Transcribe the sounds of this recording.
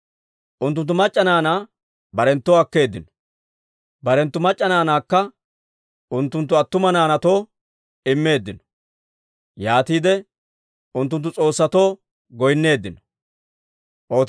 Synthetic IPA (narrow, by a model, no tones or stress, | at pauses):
ʔʊnt̪̬ːʊnt̪ːʊmɐt͡ʃʼːɐnaːnaː | bɐɾɛnt̪ːoɐkːe̞ːd̪ːɪnɔ̥ | bɐɾɛnt̪ːʊmɐt͡ʃʼːɐnaːnaːkːɐ | ʔʊnt̪ːʊnt̪ːʊɐt̪ːʊmɐnaːnɐt̪o̞ː | ɪmːe̞ːd̪ːɪnɔ̥ | jaːt̪iːd̪ɛ | ʊnt̪ːʊnt̪ːʊt͡sʼo̞ːsːɐt̪o̞ː | ɡɔjnːe̞ːd̪ːɪnɔ̥ | ʔo̞ː